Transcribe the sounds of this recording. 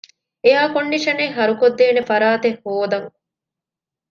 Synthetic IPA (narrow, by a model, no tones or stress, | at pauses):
eɦaːkoɳːiʃɐneɦɐɾukod̪ːeːnefɐɾaːt̪ehhoːd̪ɐŋ